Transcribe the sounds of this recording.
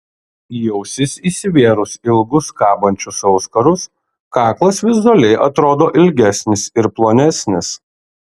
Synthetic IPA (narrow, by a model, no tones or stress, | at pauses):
jɛʊsʲɪsʲiːsʲɪʋʲeɛɾʊsɪlˠɡʊskɑːbɐnʲt͡ʃʲʊsɐʊskɐɾʊs | kɑːklˠɐsʋʲɪzʊɐlʲɛɪʔɐt̪ɾoːd̪oːʔɪlʲɡʲæsʲnʲɪsɪɾplˠoːnʲɛsʲnʲɪs